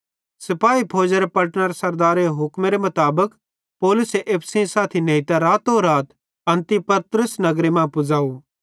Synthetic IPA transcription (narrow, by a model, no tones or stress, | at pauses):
sɪpaːipʰoːd͡ʒeɾepɐʈnəɾsɐɾd̪aːɾeɦʊkmeɾemɐt̪aːbək | poːlʊseʔeːpʰsĩsaːt̪ʰinẽit̪aɾaːt̪oːɾaːt̪ | ɐ̃nt̪ipɐt̪ɾəsnɐɡɾemãpʊd͡zaːu